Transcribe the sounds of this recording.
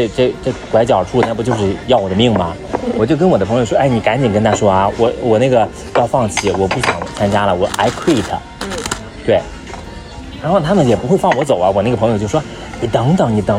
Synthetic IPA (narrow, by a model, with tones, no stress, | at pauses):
ʈ͡ʂɤ˥˩˧ʈ͡ʂɤ˥˩kwa˧˥ɪt͡ɕjɑ˨˩ʊ˩ʈ͡ʂʰu˥˧na˥˩pu˥˩t͡ɕjo˥˧ʊʂ̬ɻ̩˥˧jɑ˥˩ʊwɔ˨˩d̪ə˦mi˥˩ŋmɐ˩ | wɔ˨˩t͡ɕjo˥˧ʊkə˥nwɔ˨˩d̪ə˦pʰɤ˧˥ŋjo˧ʊʂwɔ˥˧a˥˩ɪni˨˩ka˧˥nt͡ɕi˨˩nkə˥nt̪ʰa˥ʂwɔ˥ɐ˩wɔ˧˩˦wɔ˨˩na˥˩ɡə˩ | jɑ˥˧ʊfɑ˥˩ŋt͡ɕʰi˨˩wɔ˨˩pu˥˩ɕjɑ̰˨˩ŋt͡sʰa˥nt͡ɕja˥lə˨wɔ˨˩ʔa˧˥ɪkʰwi˥˩t̪ʰə̰˨˩ | t̪we˥˩ɪ | ɻa˧˥nxo˥˩ʊt̪ʰa˥mə˨njɛ˨˩pu˧˥xwe˥˧ɪfɑ˥˩ŋwɔ˧˥t͡so˨˩ʊɐ˦wɔ˨˩na˥˩ɡəpʰjt͡ɕo˥˩ʊ˩ʂwɔ˥ | ni˨˩t̪ɤ˧˥ŋt̪ɤ˨˩ŋni˨˩t̪ɤ˧˥